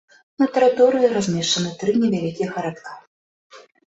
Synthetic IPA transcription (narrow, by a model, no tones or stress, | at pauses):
nɐt̪ɐɾɨt̪ɔɾɨjiɾazʲmʲɛʂt͡ʂɐnɨt̪ɾɨnʲɛvʲalʲikʲijɛxɐɾat̪ka